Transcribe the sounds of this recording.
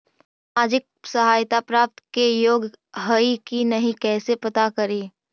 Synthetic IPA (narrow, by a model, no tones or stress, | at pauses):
aːd͡ʒɪk̚ | səɦaːjt̪apɾaːp̚t̪kejoːɡɦəikinɐɦĩkɛːsepɐt̪akɐɾiː